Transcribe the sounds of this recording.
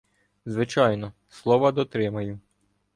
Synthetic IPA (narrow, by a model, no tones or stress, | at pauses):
zʋɪt͡ʃɑjnɔ | slˠɔʋɐd̪ɔt̪ɾɪmɐjʊ